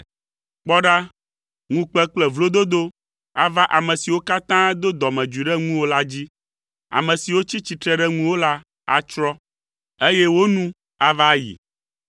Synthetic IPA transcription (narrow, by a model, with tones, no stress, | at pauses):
k͡pɔ˦ɖa˦ | ŋũ˨k͡pɛ˦k͡plɛ˦vlo˦d̪o˦d̪o˦ | a˨va˦ʔa˨mɛ̃˨si˨wo˦ka˦t̪ã˦d̪o˦d̪ɔ˨mɛ̃˨d͡ʒi˨ɖɛ˦ŋũ˦wo˦la˦d͡ʑi˦ | a̰˨mɛ̃˨si˨wo˦t͡ɕi˦t͡ɕi˨t̪ɾɛ˦ɖɛ˦ŋũ˦wo˦la˦ | a̰˦t͡ʃɾɔ˦ | e˦jɛ˦wo˦nũ˦ | a˨va˦jḭ˨